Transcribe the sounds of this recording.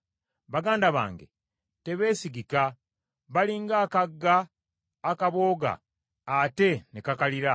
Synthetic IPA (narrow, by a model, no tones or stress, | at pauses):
βaɡaːndaβa̰ːŋɡe̞̰ | te̞βe̞ːsiɡika | βaliːŋɡaːkaɡːaː | kaβo̞ːɡa̰ː | te̞nekakaliɾa